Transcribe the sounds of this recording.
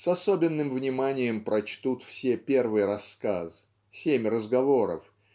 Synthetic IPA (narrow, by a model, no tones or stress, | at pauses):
sɐsobʲɪnːɨmvnʲɪmanʲɪjəmpɾɐt͡ɕt̪ut̪fsʲepʲe̞rvɨjɾɐskaz | sʲemʲrəzɡɐvo̞ɾə̰f